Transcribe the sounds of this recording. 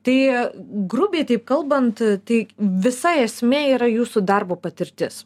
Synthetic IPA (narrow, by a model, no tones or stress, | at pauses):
t̪ɐɪɡɾʊbʲeːɪt̪ɐɪp̚kɐlˠbɐnt̪t̪ɐɪʋʲɪsɐɪɛsʲmʲeːiːɾɐjuːsʊd̪ɐrboːpɐt̪ʲɪɾʲt̪ʲɪs